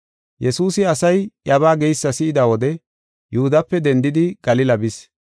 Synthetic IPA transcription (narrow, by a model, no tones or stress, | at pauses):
jɛsuːsɪɐsɐjʔɐβaːɡɛjsːɐsɪɪd̪ɐwɔd̪ɛ | jʊhʊd̪ɐpːɛd̪ɛnd̪ɪd̪ɪɡ̥ɐlɪlɐbɪs